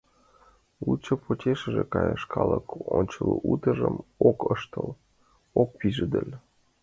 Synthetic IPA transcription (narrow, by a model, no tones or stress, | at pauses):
lut͡ɕopʰotʲeʃəʒekɑjəʃkɑləkonʲt͡ɕəluʔut̪əʒəmokəʃt̪ɤl | ok̚piʒəd̪ə̆lʲ